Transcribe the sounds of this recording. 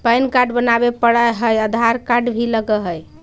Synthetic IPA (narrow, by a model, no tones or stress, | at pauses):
pajnkaɖbənabepəɽəɦəjəd̪ʱaɾkaɖbʱiləɡəɦəj